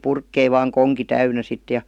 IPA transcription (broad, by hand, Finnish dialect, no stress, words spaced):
purkːei ʋɑːŋ koŋki tæynæ sit jɑ